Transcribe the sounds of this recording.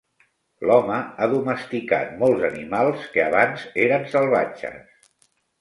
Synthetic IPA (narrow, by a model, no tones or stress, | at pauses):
lɔməaðuməst̪ika̰t̪mɔlˠzənimalˠskəaβanzeɾənsəlˠβ̞at͡ʃə̰s